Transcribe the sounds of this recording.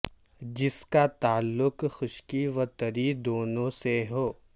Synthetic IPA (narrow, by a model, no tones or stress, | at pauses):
d͡ʒɪskat̪aːlːʊkxʊʃkiʋɐt̪ɐɾid̪oːnõseɦoː